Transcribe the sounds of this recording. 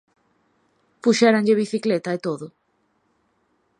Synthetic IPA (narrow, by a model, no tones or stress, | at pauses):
puʃɛɾaɲʎeβiθiklet̪aet̪oðʊ